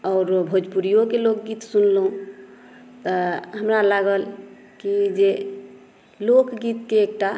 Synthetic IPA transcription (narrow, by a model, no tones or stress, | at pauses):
ɔːɾbʱod͡ʒpuɾijokelokɡit̪sunlɦũ | t̪əɦəmɾalaɡəl | kid͡ʒe | lokɡit̪keːk̚ʈa